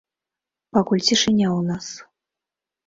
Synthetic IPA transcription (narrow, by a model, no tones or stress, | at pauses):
pakulʲt͡sʲiʂɨnʲawnas